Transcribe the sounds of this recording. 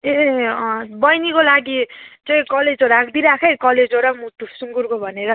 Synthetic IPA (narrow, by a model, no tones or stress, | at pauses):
e | bʌjnikolaɡit͡sʌĩkʌled͡zoɾakʰd̪iɾakʰejkʌled͡zɦoɾakmut̪usuŋɡurkobʱʌneɾʌ